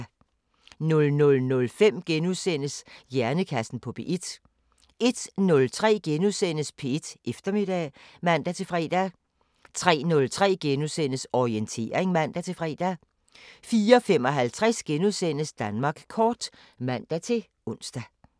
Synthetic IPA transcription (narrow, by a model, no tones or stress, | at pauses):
nɔ̽lnɔ̽lnɔ̽lfem̰ɡ̥enuðˠsen̰əsjæɐnəkʰæsn̩pʰɒ̽pʰe̝ʔed̥ | e̝d̥nɔ̽lt͡sʰʁɛ̰ːɡ̥enuðˠsen̰əspʰe̝ed̥ʔefd̥ɐme̝d̥ɛmæn̰d̥æt͡sʰe̝fʁɛ̰ːd̥æ | t͡sʰʁɛ̰ːnɔ̽lt͡sʰʁɛ̰ːɡ̥enuðˠsen̰əsɒient͡sʰe̝̰ːɐeŋmæn̰d̥æt͡sʰe̝fʁɛ̰ːd̥æ | fiːɐɒfem̰ɒ̽ɦælt͡sʰʁasɡ̥enuðˠsen̰əsd̥ænmɑ̈ːɡ̥kʰɒːd̥ | mæn̰d̥æt͡sʰe̝ | ɔ̽n̰sd̥æ